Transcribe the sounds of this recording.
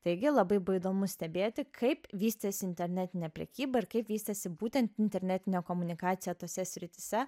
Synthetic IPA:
t̪ɐɪɡʲɪlˠɐbɐɪbɐɪd̪oːmʊsʲt̪ʲɛbʲeːt̪ʲɪkʰɐɪpʋʲiːsʲt̪ɐsʲɪɪnʲt̪ʲɛɾʲnʲæt̪ʲɪnʲɛpʲɾʲɛ̰kʲiːbɐɪɾkɐɪpʋʲiːsʲt̪ʲɐsʲɪbuːt̪ʲɛnt̪ɪnʲt̪ʲɛɾʲnʲæt̪ʲɪnʲoːkoːmʊnʲɪkɑːt̪sʲɪjoːt̪oːsʲɛsʲɾʲɪt̪ʲɪsʲɛ

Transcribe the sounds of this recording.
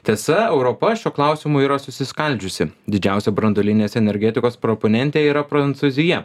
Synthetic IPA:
t̪ʲiɛsɐɛʊɾopɐʃʲuɔklˠɑˑʊsʲɪmʊiːɾɐsʊsʲɪskɐlʲˑd͡ʒʲʊsʲɪd̪ʲɪd͡ʒʲæˑʊsʲɛbɾɐnd̪oːlʲɪnʲeːsɛnʲɛɾʲɡʲɛt̪ʲɪkoːspɾɔponʲɛnʲt̪ʲeːiːɾɐpɾɐnt̪suzʲɪjɛ

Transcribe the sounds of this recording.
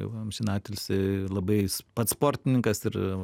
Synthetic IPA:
jɛ̰ʊmsʲɪnɑːt̪ʲɪlʲsɪlˠɐbɐɪspɐt̪spoːɾʲt̪ʲɪnʲɪŋkɐsɪɾ

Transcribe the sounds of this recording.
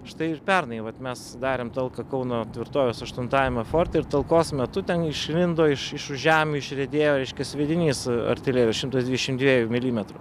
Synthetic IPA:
ʃt̪ɐɪɪrpʲɛrnɐɪʋɐt̪mʲɛsd̪ɑːɾʲeːmt̪ɐlˠkɐkɐʊnoːt̪ʲʋʲɪɾt̪oːʋʲoːsɐʃt̪ʊnt̪ɑːjɛmʲɐfoːrt̪ɐɪɾt̪ɐlˠkoːsmʲɛt̪ʊt̪ʲɛnɪʃʲlʲɪnd̪oːɪʃɪʃʊʒʒʲæːmʲuɪʃʲrʲɛd̪ʲeːjoːɾʲɛɪʃʲkʲɛsʲʋʲɛd̪ʲɪnʲiːsɐ̰ɾʲt̪ʲɪlʲeːɾʲoːsʃɪmt̪ɐsd̪ʋʲidʲɛʃʲɪmd̪ʋʲiːjumʲɪlʲiːmʲɛt̪ɾʊ

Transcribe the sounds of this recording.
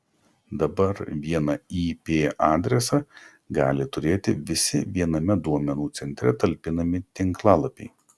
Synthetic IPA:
d̪ɐbɐɾʋʲiɛnɐiːpʲeːʔɑːd̪ʲɾʲɛsɑ | ɡɑːlʲɪt̪ʊɾʲeːt̪ʲɪʋʲɪsʲɪʋʲiɛnɐmʲɛd̪uɔmʲɛnuːt̪sʲɛnʲt̪ʲɾʲɛt̪ɐlʲpʲɪnɐmʲɪt̪ʲɪŋklˠɑːlˠɐpʲɛɪ

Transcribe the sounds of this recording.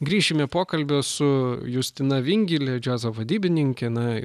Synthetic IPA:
ɡɾʲiːʃʲɪmʲɛpoːkɐlʲbʲosʊjʊsʲt̪ʲɪnɐʋʲɪŋʲɡʲɪlʲɛd͡ʒʲæːzɐʋɐd̪ʲiːbʲɪnʲɪŋʲkʲɛnɐ

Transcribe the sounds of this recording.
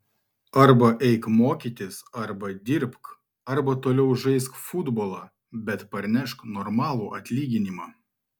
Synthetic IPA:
ɐɾbɐʔɛɪkmoːkʲiːt̪ʲɪsɐɾbɐd̪ʲɪɾpk | ɐɾbɐt̪oːlʲɛʊʒɐɪskfʊd̪boːlˠɑː | bʲɛt̪pɐɾʲnʲɛʃknɔɾmɑːlˠuːʔɐt̪ʲlʲiːɡʲɪnʲimɑː

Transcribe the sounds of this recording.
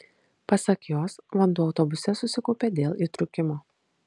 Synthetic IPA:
pɐsɐkjoːsʋɐnd̪uːɒʊt̪ɔbʊsʲɛsʊsʲɪkɔʊpʲeːd̪ʲeːlˠiːt̪ɾʊkʲɪmoː

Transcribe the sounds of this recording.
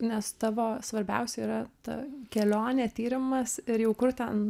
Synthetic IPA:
nʲɛst̪ɑːʋoːsʋɐɾʲbʲɛ̰ʊsʲɛiːɾɐt̪ɐ̰kʲɛlʲoːnʲeːt̪ʲiːɾʲɪmɐsɪɾjɛʊkʊrt̪ʲɛn

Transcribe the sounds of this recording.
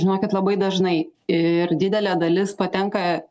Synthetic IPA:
ʒʲɪnoːkʲɪt̪lˠɐbɐɪd̪ɐʒnɐɪɪɾd̪ʲɪd̪ʲɛlʲæd̪ɐlʲɪspɐt̪ʲɛŋkɐ

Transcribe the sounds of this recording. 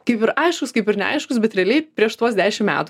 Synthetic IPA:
kɐɪpɪɾʔɐɪʃkʊskɐɪpɪɾnʲɛ̰ɐ̰ɪʃkʊsbʲɛt̪ɾʲɛːlʲɛɪpʲɾʲiɛʃt̪uɔsd̪ʲæːʃʲɪmmʲæ̰ːt̪ʊ

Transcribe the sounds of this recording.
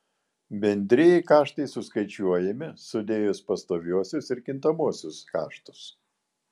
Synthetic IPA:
bʲɛnʲd̪ʲɾʲɪjɛɪkɑːʃt̪ɐɪsʊskɐɪt͡ʃʲuɔjɛmʲɪsʊd̪ʲeːjʊspɐst̪oːʋʲuɔsʲʊsɪɾkʲɪnt̪ɐmuɔsʲʊskɑ̰ːʃt̪ʊ̥s

